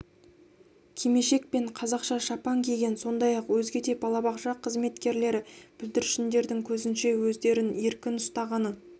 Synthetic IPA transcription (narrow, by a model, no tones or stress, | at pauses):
kʲʰeme̞ʃe̞k̚pe̞ɴqʰɑzɑqʃɑʃɑpɑŋkʲʰe̞ɡʲe̞nso̞nd̪ɑjɑqwɵzɡʲe̞d̪e̞bɑlˠɑbɑqʒɑqʰəzme̞t̪kʲe̞ɾle̞ɾɪb̥ɪld̪ɪɾʃɪnd̪e̞ɾd̪ɪŋkʲʰɵzɪnʃe̞wɵzd̪e̞ɾɪne̞ɾkʲɪnʊst̪ɑʁɑnə